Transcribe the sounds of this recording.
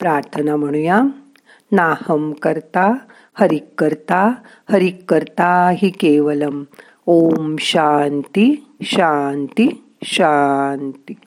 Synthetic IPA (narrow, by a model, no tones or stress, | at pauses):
pɾaːɾt̪ʰɐnam̤ɐɽ̃ujaː | naːhɐmkɐɾt̪aː | hɐɾikːɐɾt̪aː | hɐɾikːɐɾt̪aːɦikeːʋɐlɐm | oːmʃaːnt̪iʃaːnt̪i | ʃant̪i